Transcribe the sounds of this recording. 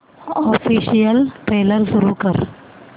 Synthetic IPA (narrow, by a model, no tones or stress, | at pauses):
ɔfiɕijəlʈɾeləɾsuɾuːkəɾ